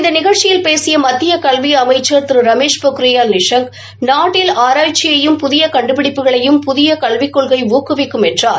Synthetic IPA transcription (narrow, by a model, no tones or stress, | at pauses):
ɪnd̪ɐnɪɣɐɻt͡ʃɪjɪlpeːsɪjɐmɐt̪ːɪjɐkɐɭʋiɐmɐɪt͡ʃːɐɾt̪ɪɾɯɾɐmeːʂpokɯɾɪjaːlnɪʂɐŋɡ | naːʈːɪlaːɾaːjt͡ʃːɪjɐjɯmpʊðɪjɐkɐɳɖɯpɪɽɪpːɯɣɐɭɐjɯmpʊðɪjɐkɐɭʋɪkːɔɭɣɐɪʋuːkːɯʋɪkːɯmɛndraːɾ